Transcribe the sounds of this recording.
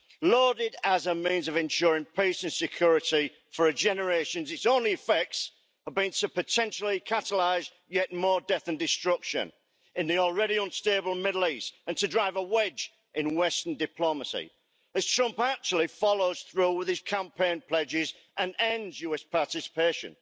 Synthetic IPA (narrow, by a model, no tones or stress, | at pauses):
lɔːdɪdəzəmĩːnzəvɨ̃nʃʊːɹɪ̃ŋpʰiˑsə̃nsɨkʰj̥ʊːɹɪti | fə˞ɨd͡ʒɛnə˞eɪʃə̃nzɨtsõʊ̃nliɨfɛk̚ts | əvbĩntʰəpʰɨtʰɛ̃nʃl̩ˠikʰatəlaɪz | jɛʔ̚mɔːɹdɛθə̃ndɪstɹ̥ʊkʃə̰̃n | ɨ̃nðiɔlˠɹɛɾiʌ̃nsteɪbəlˠmɪdˡl̩ˠiˑstə̃ntʰədɹaɪvəwɛd͡ʒ | ʔɪ̃nwɛstəndɨpʰl̥oməsḭ | ɨz̥tʰɹ̥ʌ̃mpak̚t͡ʃul̩ˠifɑloʊz̥θɹuːwɪð̥ɪz̥kʰãmpʰẽɪ̃npʰl̥ɛd͡ʒɪz | ʔə̃nɛ̃nzjʉɛspʰɑɹtɪsɪ̥peɪʃə̰̃n